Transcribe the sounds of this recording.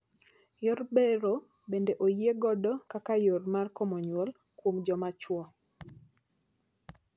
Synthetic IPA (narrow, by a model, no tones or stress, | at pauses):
jɔrbeɾo | bendeʔojeɡɔdɔkakajormarkɔmɔɲwɔl | kwomd͡ʒɔmat͡ʃwɔ